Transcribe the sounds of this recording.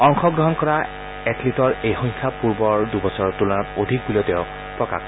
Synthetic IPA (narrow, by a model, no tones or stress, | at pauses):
ɔŋxɔɡɹɔɦɔnkɔɹa | ɛtlitɔɹejxɔ̃j̃kʰapuɹbɔɹdubɔsɔɹtulɔnɔtodʱik̚bulɔtɛʊ | pɹɔka̰x